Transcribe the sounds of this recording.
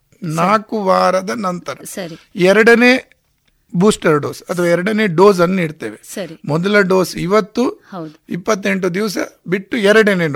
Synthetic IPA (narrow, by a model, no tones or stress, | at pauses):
naːkuʋaːɾɐd̪ɐnɐnt̪ɐɾɐɐɾi | ɛɾɐɽɐne̞ː | buːsʈɐɾɖo̞ːsɐt̪ʰɐʋaːɛɾɐɽɐne̞ːɖoːsɐnːuniːɖt̪eːʋesɐɾimɔd̪ɐlɐɖo̞ːsiʋɐt̪ːuɐwdipːɐt̪ːeɳʈud̪iʋɐs̬ɐ̰biʈːuɛɾɐɽɐneː